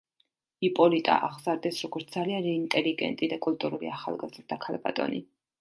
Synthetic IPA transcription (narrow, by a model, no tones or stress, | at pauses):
ipʼɔlit̪ʼa̰ʔaʁzaɾd̪ɛsɾɔɡɔɾt̪ʰd̪alianɾɛint̪ʼɛliɡɛ̰nt̪ʼid̪akʼulˠt̪ʼuɾulḭaχa̰lˠɡazɾd̪akʰalˠba̰t̪ʼɔ̰nḭ